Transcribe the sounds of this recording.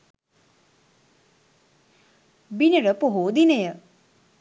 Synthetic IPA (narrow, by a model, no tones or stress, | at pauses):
binəɾəpoɦoːd̪inəjə